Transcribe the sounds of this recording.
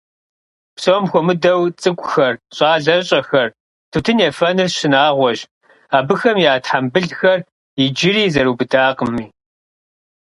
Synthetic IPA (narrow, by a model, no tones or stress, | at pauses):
psowmxʷɔmɨdɐwt͡sʼɨkʷʼʊxɐrɕʼaːɮɐɕʼɐxɐr | tʰutʰɨnɛfɐnɨrɕɪnaːʁʷɔʑ | aːbɨxɐmjaːtħambɨɮxɐr | id͡ʒɪɾiːzɐɾuːbɨdʰaːqəmiː